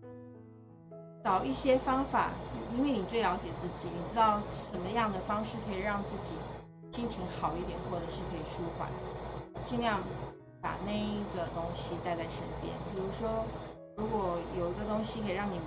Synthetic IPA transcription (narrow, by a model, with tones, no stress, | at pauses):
ʈ͡ʂɑ˨˩ʊʔi˥˩ɕjɛ˥fɑ˥ŋfa̰˨˩i˥nwe˥˩ɪni˨˩t͡swe˥˩ljɑ˧˥ʊt͡ɕjɛ˨˩t͡sɹ̩˥˩t͡ɕi˨˩˦ni˨˩ʈ͡ʂɻ̩˥t̪ɑ˥˩ʊʂə˨˥nmə˧jɑ˥˩ŋd̪ə˩fɑ˥ŋʂɻ̩˥˩kʰə˧˥i˨˩ɻɑ˥˧ŋt͡sɹ̩˥˩t͡ɕi˨˩ | ɕi˥ŋt͡ɕʰi˧˥ŋxɑ˨˩ʊi˥˩t̪jɛ˨˩nkwɔ˥˩d̪ə˩ʂɻ̩˥˩kʰɤ˧˥i˨˩ʂu˥xwa̰˨˩n˩t͡ɕi˥˧ŋljɑ˥˩ŋ | pa̰˨˩na˥˩ɪi˧˥˩ɡə˨t̪ʊ˥ŋɕi˨t̪a˥˧ɪt͡sa˥˩ɪʂə̰˧˥˩np̪jɛ̰˥npi˨˩ɻu˧˥ʂwɔ˥ | ɻu˧˥kwɔ˨˩jo˨˩ʊi˧˥ɡə˧t̪ʊ˥ŋɕi˨˧kʰə˧˥i˨˩ɻɑ˥˩ŋni˨˩m˦